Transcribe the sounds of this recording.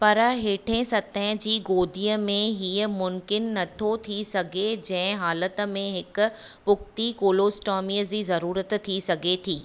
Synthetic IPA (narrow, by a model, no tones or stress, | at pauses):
pɐɾɦeːʈʰẽsɐt̪ə̃d͡ʑiːɡoːd̪ʱiːəmẽɦiːəmʊ̃mkɪnːɐt̪ʰot̪ʰisɐɡʱed͡ʑɐ̃ɦɪ̃ɦaːlət̪̆mẽɦɪkʊ̆pʊkt̪ikoːloːsʈɔːmiːəd͡ʑiːzɐɾuːɾət̪t̪ʰːisɐɡʱet̪ʰiː